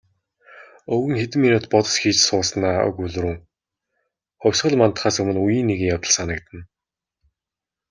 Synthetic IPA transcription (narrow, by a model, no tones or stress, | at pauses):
ɵɣɘ̆ŋxet̪ɘ̆mːinʊːt̪̚pɔt̪ɞ̥̆sxiːt͡ɕsʊːsnaːɵ̰ɣuɮɵ̆ɾuː | χɔwʲsχɞ̆ɮmant̪χaːsɵmɘ̆nujiːnːeɣɘ̆ŋjawt̪ə̆ɮsanə̆kt̪ə̆n